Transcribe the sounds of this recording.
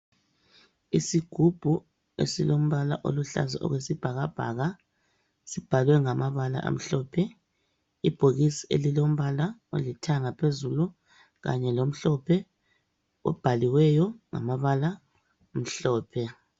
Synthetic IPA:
isiɡ̥ʱub̥ʱu | ḛsilom̩βala̰ʔo̰luɬa̰zaʔɔ̰ɣwesib̥ʱaɣab̥ʱa̰ɣa | sib̥ʱalwɛŋamaβala̰ʔa̰m̩ɬɔːpʰɛ | ib̥ʱoɣisiḛlilom̩βalao̰litʰaŋapʰezulu | ɣa̰ɲɛlom̩ɬɔpʰɛ | ɔ̰b̥ʱaliwɛjɔŋa̰maβala | m̩ɬɔːpʰɛ

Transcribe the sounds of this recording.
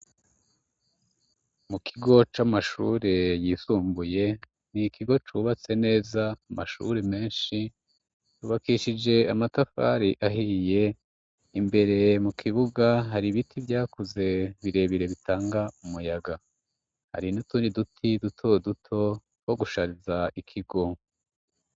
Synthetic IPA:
mukʰiɡo̞t͡ʃamaʃṵɾe̞jiːsuːmbuje̞ | nikʰiɡo̞t͡ʃuβat͡se̞ne̞ːzaamaʃṵɾe̞me̞ːnʃi | tuːβakiʃid͡ʒe̞amatafa̰ɾiʔaɦije̞ | imbe̞ɾe̞mukʰiβuɡaɦaɾiβitʰivjaːkuze̞βiɾe̞βiɾe̞βitʰaːŋɡaumujaɡa | ha̰ɾinutuːndidutʰidutʰo̞dutʰo̞ | ho̞ɡuʃaɾizaikʰiɡo̞

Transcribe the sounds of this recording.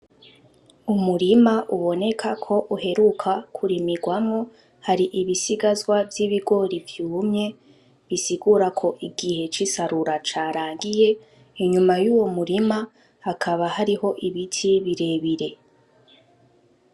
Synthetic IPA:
umuɾimaʔuβo̞ne̞kʰakʰo̞ʔuɦe̞ɾukʰakʰuɾimiɡwamŋo̞ | haɾiʔiβisiɡazwavjiβiɡo̞ɾivjuːmɲe̞ | βisiɡuɾakʰo̞ʔiɡihe̞t͡ʃisaɾuɾat͡ʃaːɾaːŋɡije̞ | iɲumajuːwo̞muɾima | hakʰaβahaɾiho̞ʔiβitʰiβiɾe̞ːβiɾe̞

